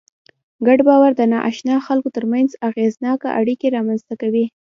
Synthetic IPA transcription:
ɡaɖbɑwaɾd̪ənɑʔa̰ʃnɑxalkot̪əɾmanzaɣeznɑka̰ʔaɽikeɾɑmanzt̪akawi

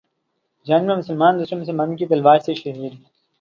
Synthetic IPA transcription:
d͡ʒaːnmemʊsəlmaːnd̪usɐmsɐmɐnkipɐlʋaːɾseʃɐɦiːd̪

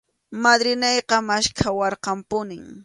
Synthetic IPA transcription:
mad̪ɾɪnejqɑmaʃkʰawɑɾqɑmpʊnɪŋ

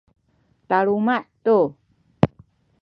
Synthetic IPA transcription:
t̪aɾumaʔt̪u

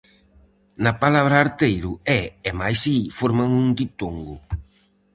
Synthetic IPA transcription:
napalaβ̞ɾaːɾt̪ejɾʊɛɛmajsifoɾmaŋũŋd̪it̪oŋɡʊ

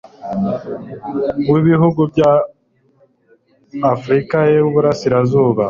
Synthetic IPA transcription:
miβiɦuɡubja | fɾikajeβuβuɾasiɾazuːβa

